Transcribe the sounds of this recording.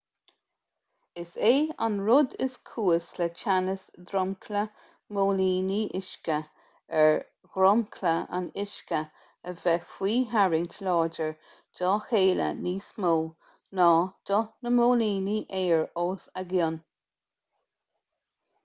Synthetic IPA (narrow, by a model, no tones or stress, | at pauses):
ɪseːa̰nɹʊd̪ɪ̰skʰuːəslɛt͡ʃʰanəsd̪ɾɔmkʰlə | moːliːniʔɪʃkə | ɛɹ | ɡɾɔmkʰləa̰nɪʃkə | əvɛfwiːɦaɹɪŋtʰəlɑːd͡ʒəɹ | d̥ɔːxeːlə̰niːsmoː | nɑːd̪̥ɔnəmoːliːniʔeːɹoːsəɡɪn